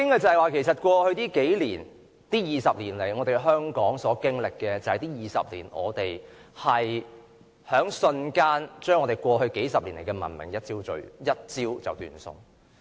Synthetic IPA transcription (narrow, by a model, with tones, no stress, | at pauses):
kɪ˥ŋa˨t͡sɐ˨hɐ˨waː˨kʰe˨˩jsɐ˨˩t̚kʷɔː˧hɵ˧ɥt̪iː˥ke˨˥jliː˨˩n | t̪iː˥jiː˨˩sɐ˨p̚liː˨˩nle˨˩jŋɔː˨˧t̪e˨jɦœː˥ŋkɔː˨˥ŋsɔː˨˥kɪ˥ŋlɪ˨kːɛː˧t͡sɐ˨whɐ˨˩jt̪iː˥jiː˨˩sɐ̰˨p̚lḭː˨˩nʔɔ̰ː˨˧t̪e˨jhɐ˨j | hœː˨˥ŋsɵ˧nkaː˥nt͡ʃœː˥ŋːɔː˨˧t̪e˨˩jkʷɔː˧ɦɵ˧ɥke˨˥jsɐ˨p̚liː˨˩nle˨˩jkɛː˧mɐ̰˨˩nmɪ̰˨˩ŋjɐ˥t̚t͡siː˥wt͡ʃɵ̰˨ɥjɐ˥t̚t͡siː˥wt͡sɐ̰˨wt̪y̰ː˨˧nsʊ̰˧ŋ